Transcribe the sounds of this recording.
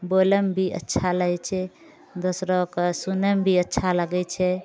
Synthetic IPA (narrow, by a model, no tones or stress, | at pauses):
boləmbʱiʔə̰tːʃʰaləɦɛt͡ʃʰɛ | d̪osɾɔksunəmbʱiətːʃʰaləɡɛt͡ʃʰɛ